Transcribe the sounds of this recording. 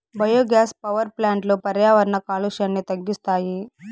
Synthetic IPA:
bɐjoːɡjaːspɐʋɐɾplaːɳʈloːpɐɾjaːʋɐɾɐnɐkaːluʃɐnːit̪ɐɡːist̪aːji

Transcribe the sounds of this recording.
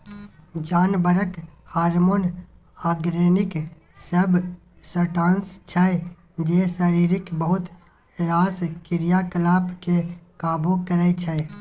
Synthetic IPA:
d͡ʒaːnbəɾəkhaːɾmoːn | aːɡɾeːnɪk | səb | səʈãːnst͡ʃʰɛ | d͡ʒeːsəɾiːɾɪkbəɦʊt̪ | ɾaːskɪɾijakəlaːpkekaːbokəɾɛt͡ʃʰɛ

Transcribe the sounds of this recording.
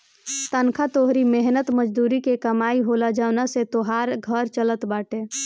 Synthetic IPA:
t̪ənkʰat̪oɦɾimeɦnət̪məd͡ʒd̪uɾikekəmaiɦolad͡ʒaʊnaset̪oɦaɾɡʱəɾt͡ʃələt̪baʈe

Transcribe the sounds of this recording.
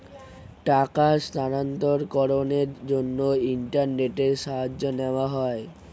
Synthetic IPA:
ʈakast̪anant̪oɾkɔɾoneɾd͡ʑonːoiɳʈaɾneʈeɾʃaɦad͡ʑːoneoaɦɔe

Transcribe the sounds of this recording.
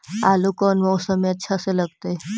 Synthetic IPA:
alukɔnmɔwsəmiətːʃʰaseləɡt̪e

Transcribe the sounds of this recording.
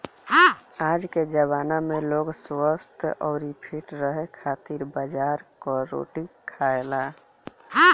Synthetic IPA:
aːd͡ʒked͡ʒəbaːnamẽloːɡswəst̪ʰʔɔːɾipʰiʈɾəɦekʰaːt̪iɾbəd͡ʒaːɾkɔɾo̰ːʈikʰaela

